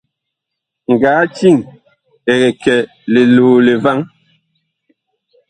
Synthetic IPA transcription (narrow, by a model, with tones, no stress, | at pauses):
ŋ̩˨ɡaː˨˦t͡ʃi˦˨ŋ | e˨ɣɛ˨kɛ˨ | le˨luː˨le˨va˦ŋ